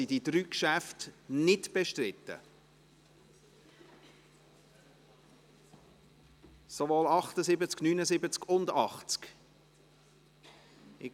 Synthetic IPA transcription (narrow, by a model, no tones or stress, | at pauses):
ididɾyːkʃæftnɪdb̥eʃtrɪtːə̰ | sovoːlɑχt̪əzɪbət͡sknyːnəzɪbət͡skʊndɑχt͡sk | ɪ